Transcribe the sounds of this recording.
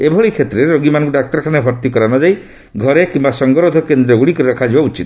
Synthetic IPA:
ebʱɔɭikʰet̪ɾeɾoɡimanɔ̃ŋkuɖak̚t̪ɔɾkʰanebʱɔɾt̪ikɔɾanɔd͡ʒaj | ɡʱɔɾekimbasɔŋɡɔɾɔd̪ʱɔkend̪ɾɔɡuɽikɔɾiɾɔkʰad͡ʒibaut͡ʃit̪

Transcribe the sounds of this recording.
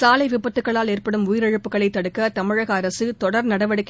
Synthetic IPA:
saːlɐɪʋɪbɐt̪ːɯkːɐɭaːleːrpɐɽɯmʊjɪɾɛɻɯpːɯɣɐɭɐɪt̪ːɐɽɯkːɐt̪ɐmɪɻɐɣɐːɾɐsɯt̪ɔɽɐɾnɐɽɐʋɐɽɯkː

